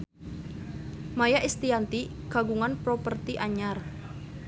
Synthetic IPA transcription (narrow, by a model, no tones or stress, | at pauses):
majaʔist̪iant̪i | ɡ̥a̤ɡuŋanpɾopərt̪iʔaɲar